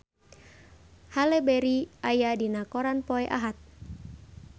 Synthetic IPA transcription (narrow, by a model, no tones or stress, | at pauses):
halɛbɛɾiajadinakɔɾanpɔɛʔaɦat̪̚